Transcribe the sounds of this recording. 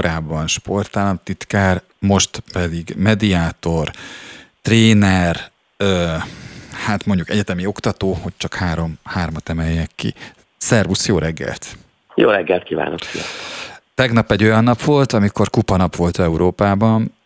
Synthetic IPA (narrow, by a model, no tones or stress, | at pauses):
oɾaːbːɒnʃpo̞rt̪aːlɒmt̪it̪kaːr | mo̞ʃt̪pɛd̪iɡmɛd̪iaːt̪o̞rt̪reːnɛr | øː | haːt̪mo̞ɲɟukɛɟɛt̪ɛmio̞kt̪ɒt̪oːho̞ct͡ʃɒkhaːɾo̞mhaːrmɒt̪ɛmɛjːɛkːḭ | sɛrvusjoːɾɛɡːɛ̰lt̪ | joːɾɛɡːɛlt̪̚kiːva̰ːno̰kfiɛ̰t̪ɛɡnɒpːɛɟo̞jɒnːɒpʋo̞lt̪ɒmiko̞rkupɒnɒpʋo̞lt̪ɛuɾoːpaːbɒn